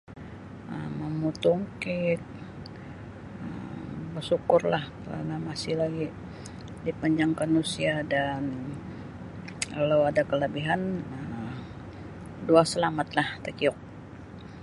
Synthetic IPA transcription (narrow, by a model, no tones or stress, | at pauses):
ə̰məmut̪uŋkɪt̪̚ | ə̰mbərsukʊrlahkaɾa̰namasɪhlaɡi | dipaɲd͡ʒaŋkanusiadan | kalawadakələbiɦanəm | duasəlamat̪laht̪əkiɔk̚